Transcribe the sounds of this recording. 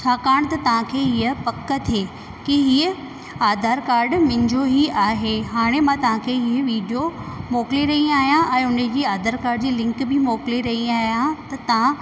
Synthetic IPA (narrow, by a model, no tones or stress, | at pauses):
t͡ɕʰaːkaːɽ̃t̪ɐt̪ɐʋ̤ãkʰeːɦiəpɐkːət̪ʰieː | kiɦiːə | aːd̪ʱaːɾkaːɾɖmɪ̃ɲd͡ʑoɦiaːɦeɦaːɽ̃emãt̪ɐʋãkʰeːɦiəʋiːɖijomoːkɪliɾɐɦiaːɦijãʔɛ̃ːʊnəd͡ʑiːaːd̪ʱaːɾkaːɾɖd͡ʑiːlɪ̃ŋkbɪmoːkɪliɾɐɦiaːɦijãt̪ɐt̪ɐʋ̤ã